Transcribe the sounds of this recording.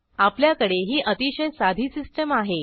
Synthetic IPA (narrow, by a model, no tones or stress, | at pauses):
apljakəɽeɦiːʔət̪iɕəjsad̪ʱiːsisʈəmaɦe